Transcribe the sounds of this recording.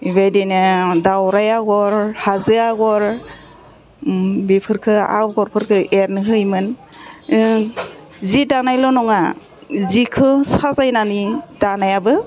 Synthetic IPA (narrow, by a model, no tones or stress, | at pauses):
ibajdenɯdawɾajaɡɔɾhazɯaɡɔɾ | bipʰɯɾkʰɯa̰wɡɔɾpʰɯɾkʰɯeɾnɯɦɯjmɯn | zidanajlɔnɔŋa | zikʰɯsazajnanidanajabɯ